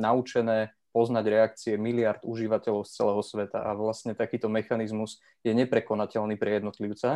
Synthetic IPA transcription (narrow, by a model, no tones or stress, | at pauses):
naut͡ʃɛnɛː | pɔznaɟɾɛak̚t͡siɛmiliaɾd̪uʒiʋacɛlɔʊst͡sɛlɛːɦɔsʋɛt̪a̰ʔa̰ʋlasɲɛt̪akiːt̪ɔmɛxanizmuz | jɛɲɛpɾɛkɔnacɛlniːpɾɛjɛd̪nɔt̪liʊt͡sa